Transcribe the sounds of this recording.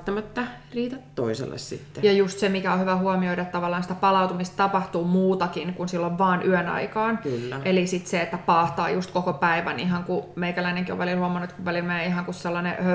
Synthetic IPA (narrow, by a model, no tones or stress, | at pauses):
t̪ːɑmæt̪ːæ | riːt̪æt̪to̰isḛlːḛssḭt̪ːejɑjust̪semikæohyʋæhuɑmioidɑet̪t̪ɑʋɑlːɑːnsi̥t̪æpɑlɑwt̪umist̪t̪ɑpɑht̪uːmuːt̪ɑkinkunsilːoʋʋɑːnʔyønɑ̰ikɑːnklːæʔelisit̪seet̪ːæpɑːht̪ɑ̰ːjust̪kokopæiʋæ̰niɦɑŋkumeikælæineŋkio̰ʋʋælilhuɑmɑnut̪kuʋʋælilmæeiɦɑŋkusselːɑneø